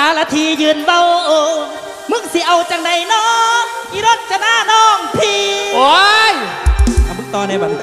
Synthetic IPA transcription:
aː˨˧laː˧˥t̪ʰiː˧˩jɯː˧˨nba˧wʔoː˧ | mɯ˧˥ŋsi˧˦ʔa˧wt͡ɕa˧ŋda˧˩jnɔː˧˥ŋʔi˧ɾo˧˥t̪̚t͡ɕa˧naː˧˥˨nɔː˧˩ŋt̪ʰiː˧o˧˦ja˧˨bɯ˧˥˨t̪ɔː˧˩na˧˩ba˧˩˧

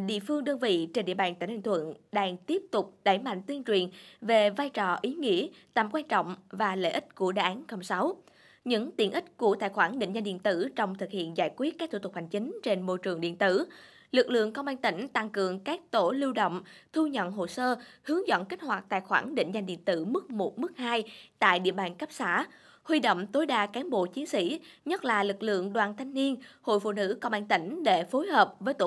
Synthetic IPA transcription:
ɗḭ˧˨əfɨ˧əŋɗəː˧nvḭ˧˨t͡ɕe˧nɗḭ˧əɓaː˧˩nt̪aː˧˩nhʰa˧˨˩ŋt̪ʰwə̰˧˨nɗaː˧ŋt̪i˦˥əp̚t̪ʊ˨˩k͡p̚ɗa˧˩jma̰˧˨ŋ̟t̪i˧ənt͡ɕwi˨˩ənve˨˩vaː˧jt͡ɕɔ˨˧˩ʔi˨˦ŋḭ˧˥ət̪a̰ː˧˩mkwaː˧nt͡ɕɔ̰˧˨wŋ͡mvaː˨˩lḛ˧˥ʔï˦˥t̚ku˧˩əɗaː˧˨ʔaː˨˦nkə˧wŋ͡msa˨˦w | ɲɨ̰˧˥ŋt̪i˨˩ənʔï˦˥t̚ku˧˩ət̪a̰ː˧˨jxwaː˧˩nɗḭ̈˧˨ŋ̟za˧ŋ̟ɗḭ˧˨ənt̪ɨ˧˩t͡ɕɔ˧wŋ͡mt̪ʰɨ˨˩k̚hḭ˧˨ənzaː˧˩jkwi˦˥t̚kaː˦˥k̚t̪ʰt̪u˨˩ha˨˩jŋ̟t͡ɕï˨˦ŋ̟t͡ɕe˧nmo˧jt͡ɕɨ˨˩əŋɗḭ˧˨ənt̪ɨ˧˩ | lɨ˨˩k̚lɨ̰˧˨əŋkə˧wŋ͡mʔaː˧nt̪ï˧˩ŋ̟t̪a˧ŋkɨ˨˩əŋkaː˦˥k̚t̪o˧˩li˧wɗo̰˧˨wŋ͡mt̪ʰu˧ɲə̰˧˨nɦo˨˩səː˧hɨ˨˦əŋzə̰˧˨nki˦˥k̟̚hwaː˨˩t̚t̪a̰ː˧˨jxwaː˧˩nɗḭ̈˧˨ŋ̟za˧ŋ̟ɗḭ˧˨ənt̪ɨ˧˩mɨ˦˥k̚mo˨˩t̚mɨ˦˥k̚haː˧jt̪a̰ː˧˨jɗḭ˧˨əɓaː˨˩nkə˦˥p̚saː˧˥ | hwi˧ɗo̰˧˨wŋ͡mt̪o˨˦jɗaː˧˩kaː˨˦nɓo̰˧˨t͡ɕi˨˦ənsḭ˧˥ɲə˦˥t̚laː˨˩lɨ˨˩k̚lɨ̰˧˨əŋɗwaː˨˩nt̪ʰa˧jŋ̟ni˧ənho̰˧˨jfṵ˧˨nɨ̰˧˥kə˧wŋ͡mʔaː˧nt̪ï˧˩ŋ̟ɗe˧˩fo˨˦jɦəː˨˩p̚vəː˨˦jt̪o˧

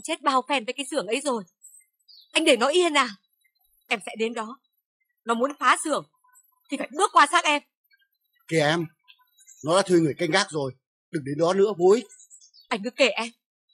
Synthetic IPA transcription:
t͡ɕe˦˥t̚ɓaː˧wfɛ˧nvəː˨˦kaː˨˦jsɨ˧˩əŋʔə˨˦jzo˨˩j | ʔa˧jŋ̟ɗe˧˩nɔ˨˦jʔi˧ə˧nːaː˨˩w | ʔɛ˧msɛ̰˧˥ɗe˨˦nɗɔ˨˦ | nɔ˨˦mu˨˦ənfaː˨˦sɨ˧˩əŋ | t̪ʰi˨˩faː˧˩jɓɨ˦˥əkwaː˧saː˦˥k̚ʔɛ˧m | ki˧˩əʔɛ˧m | nɔ˨˦la̰ː˧˥t̪ʰwi˧ŋɨ˨˩əjka˧jŋɣaː˦˥k̚zo˨˩j | ɗɨ˨˩ŋɗe˨˦nɗɔ˨˦nɨ̰˧˥əɓu˨˦j | ʔa˧jŋ̟kɨ˨˧˩kːe˧˩ʔɛ˧m

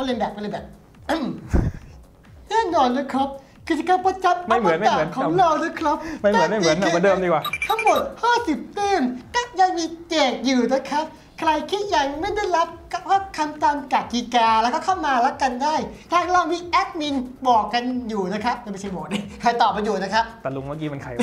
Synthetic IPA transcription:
kʰa˧˥˩li˧nbɛː˨˩k̚a˧˩lːjbɛː˨˩p̚ | ʔɯ˧˩m | nɛː˥˩nɔː˧nlaː˧˥kʰɾa˦˥p̚ | kʰɯ˧˩t͡ɕa˨˩ka˧˩pa˧t͡ɕa˨˦p̚ma˥˩jmɯ˨˩˦nma˧aː˨mɯ˩˦nkʰɔː˨˧˦ŋla˧wlaː˧˥˩kʰɾa˦˥p̚ma˥˩jm˨˦˥nma˥˩˨mɯ˩˦na˨˦˧mː˧˩˦ndəɤː˧mdiː˧˩kwaː˨˩t̪ʰa˥˩ŋmo˨˩t̪̚haː˥˩si˨˩p̚t̪ɯː˥˩mkɔː˥˩ja˧ŋmiː˧keː˨˩k̪̚juː˨˩na˦˥˩kʰɾa˦˥p̚ | kʰɾa˧jkʰi˦˥˩t̪̚ja˧ŋma˥˩jda˥˩jɾa˦˥p̚aː˥˩p̚kʰa˧mt̪a˧mka˨˩ki˨kaː˧lːkɔː˥˩kʰa˥˩wmaː˧la˦˥p̚ka˧ndaː˥˩jt̪ʰaː˧ŋla˧wmiː˧ʔɛ˦˥k̚ni˧ŋbɔː˨˩kːa˧njuː˨˩na˦˥kʰa˦˥p̚a˧˩ma˧˩t͡ɕa˧jbɔ˨˩k̚na˧˩jkʰa˨˧˩jt̪ɔː˨˩p̚ɾa˧juː˨˩na˦˥kʰɾa˦˥p̚t̪ɛː˨˩lu˧ŋmaː˦˧˩kiː˦˥ma˧nkʰa˧˩

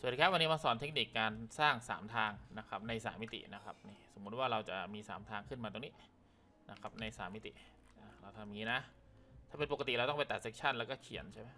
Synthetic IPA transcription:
sdʰa˦˥p̚wa˧nːiː˦˥ma˧sɔː˩˦nt̪ʰe˦˥k̚niː˨˩kːaː˧nsaː˥˩ŋsa̰ː˩˦mt̪ʰaː˧ŋna˦˥kʰa˦˥p̚na˧jsaː˩˦mːi˦˥t̪ḭ˨˩na˦˥kʰa˦˥p̚niː˥˩so˩˦mːu˦˥t̪̚waː˥˩ɾa˧wt͡ɕa̰˨˩miː˧sa̰ː˩˦mt̪ʰaː˧ŋkʰɯ˥˩nmaː˧o˧ŋni˦˥˩ | na˦˥kʰa˦˥p̚na˧jsa̰ː˩˦mːi˦˥t̪ḭ˨˩ | ʔaː˧˩ɾa˧wt̪ʰa˧mːiː˧˥˩na˦˥ | t̪ʰaː˥˩pe˧npo˨˩ka˧t̪i˨˩ɾa˧wt̪ɔ˥˩pa˧jt̪a˨˩t̪̚se˦˥k̚t͡ɕʰa˥˩nlɛ˦˥kɔː˥˩kʰi˨˩˦ənt͡ɕʰa˥˩ma˦˥˩

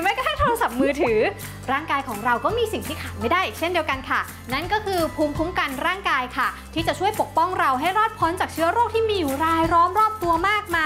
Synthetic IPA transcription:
ma˥jkɔ˧˥t̪ʰa˥˩ŋt̪ʰoː˧ɾa˧sa˨˩p̚mɯː˧t̪ʰɯː˩˦ | ɾaː˥˩ŋkaː˧jkʰɔː˩˦ŋɾa˧wkɔː˥˩miː˧si˨˩ŋt̪ʰiː˥˩kʰaː˨˩tma˥˩daː˥˩ʔi˨˩t͡ɕʰe˥˩ndi˧əwka˧nkʰa˥˩ | na˥˩nkɔː˥˩kʰɯː˧pʰu˦˥mpʰu˦˥mka˧nɾaː˥˩ŋkaː˧jkʰa˥˩t̪ʰiː˥˩t͡ɕa˨˩t͡ɕʰu˥˩əjpo˨˩k̚pɔ˥˩ŋɾa˧wɦa˥˩jɾɔː˥˩t̪̚pʰo˦˥nt͡ɕaː˨˩k̚t͡ɕʰɯ˦˥ɐɾoː˥˩k̚t̪ʰiː˥˩miː˧juː˨˩ɾaː˧jɾɔː˦˥mɾɔː˥˩p̚t̪u˧ɐmaː˥˩k̚maː˧

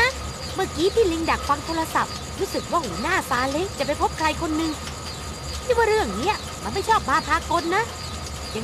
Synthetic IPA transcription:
a˦˥ | mɯ˧˩kiː˨˦˥t̪ʰiː˥˩li˧ŋda˨˩k̚fa˧ŋt̪ʰoː˧ɾa˧sa̰˨˩p̚ | ɾuː˦˥sɯ˨˩k̚waː˥˩huː˩˦naː˥˩saː˨˦˥le˦˥k̚t͡ɕa˨˩p̬a˧jpʰo˦˥p̚kʰɾa˧jkʰo˧nːɯ˧ŋʰ | iː˦˥˩waː˥˩ɾɯ˥˩əŋni˦˥ɐ | ma˧nma˥˩jt͡ɕʰɔː˥˩p̚maː˧˥˩p̪ʰaː˧ko˧nːa˦˥ | ja˨˩

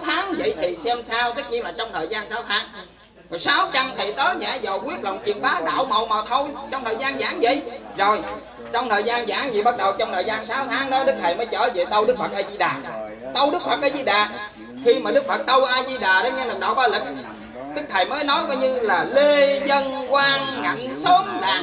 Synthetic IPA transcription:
t̪ʰaː˨˦ŋvə̰˧˨jt̪ʰi˨˩sɛ˧msaː˧wt̪ɨ˦˥k̚ɲi˧ŋlaː˨˩t͡ɕɔ˧wŋ͡mt̪ʰəː˨˩jzaː˧nsaː˨˦wt̪ʰaː˨˦ŋ | kɔ˨˩saː˨˦wt͡ɕa˧ŋt̪ʰi˨˩t̪əː˨˦ɲa̰ː˧˥za˨˩wki˦˥əp̚lə˨wŋ͡mt͡ɕḭ˨˩ənɓaː˨˦ɗa̰ː˧˨wmə̰˧˨wmaː˨˩t̪ʰo˧jt͡ɕɔ˧wŋ͡mt̪ʰəː˨˩jzaː˧nza̰ː˧˥ŋvə̰˧˨jzo˨˩j | t͡ɕɔ˧wŋ͡mt̪ʰəː˨˩jzaː˧nza̰ː˧˥ŋzi˨˩ɓa˦˥t̚ɗə˨˩wt͡ɕɔ˧wŋ͡mt̪ʰəː˨˩jzaː˧nsaː˨˦wt̪ʰaː˨˦ŋɗəː˨˦ɗɨ˦˥k̚t̪ʰə˨˩jməː˨˦jt͡ɕə̰ː˧˩ve˨˩t̪ə˧wɗɨ˦˥k̚fə˨˩ʔaː˧zi˧ɗaː˨˩t̪ə˧wɗɨ˦˥k̚fə˨˩k̚ʔaː˧˩zi˧ɗaː˨˩ | xi˧maː˨˩ɗɨ˦˥k̚fə˨˩k̚t̪ə˧wʔaː˧zi˧ɗaː˨˩ɗa˨˦ɲɛ˧na˨˩ɗə̰˨˩wɓaː˧li˨˩k̚ | ɗɨ˦˥k̚t̪ʰə˨˩jməː˨˦jnɔ˨˦jkɔ˨˧˦ɲɨ˧laː˨˩le˧zə˧nkwaː˧ŋŋa̰˨˩˨nso˨˦nza̰ː˨˦

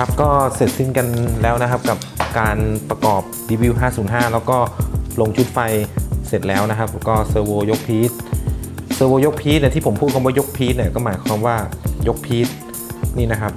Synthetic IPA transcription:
kʰa˦˥p̚kɔː˥˩se˨˩t̪̚si˥˩nka˧nlɛː˦˥wna˦˥kʰa˦˥p̚ka˨˩p̚kaː˧npɾa˧kɔː˨˩p̚diː˧wi˧˥wɦaː˥˩suː˩˦nɦaː˥˩lɛː˦˥wkɔː˥˩lo˧ŋt͡ɕʰu˦˥t̪̚fa˧jse˨˩t̪̚lɛː˦˥wna˦˥kʰa˦˥p̚lwkɔː˥˩sɤː˧woː˧jo˦˥k̚pʰiː˦˥t̪̚ | sɤː˧woː˧jo˦˥k̚pʰiː˦˥t̪̚ni˥˩t̪ʰiː˥˩pʰo˩˦pʰuː˥˩t̪̚kʰːwaː˥˩jo˦˥k̚pʰiː˦˥t̪̚ni˥˩ɐkɔː˥˩maː˩˦jkʰwaː˧mwaː˥˩jo˦˥k̚pʰiː˦˥t̪̚ | niː˥˩na˦˥kʰa˦˥p̚

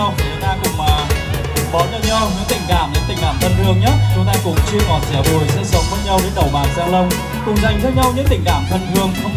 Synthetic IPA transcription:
wi˨˩t̪aː˧kʊ̰˧˥ŋ͡mmaː˨˩ | ɓɔ˨˦ɲə˧˩wɲɔ˧wɲɨ̰˧˥t̪ï˧˩ŋ̟kaː˧˩mɲɨ̰˧˥ŋt̪i˨˩ŋ̟kaː˧˩mt̪ʰə˧nzɨ˧əŋɲə˦˥t̚t͡ɕʊ˨˦t̪aː˧jkʊ̰˧˥ŋ͡mt͡ɕɨ˧əŋɔ˨˩nzɛ˧˩ɓu˨˩jsɛ̰˧˥sə˨˦wŋ͡mvə˨˦˥ɲa˧wɗe˨˦nɗ̪ə˨˩wɓaː˨˩wzaː˧lə˧wŋ͡m | kʊ˨˩ŋ͡mza˨˩jŋ̟t̪ʰəː˧ɲa˧wɲɨ̰˧˥t̪ï˧˩ŋ̟kaː˧˩˨mt̪ʰə˧nzɨ˧əŋ

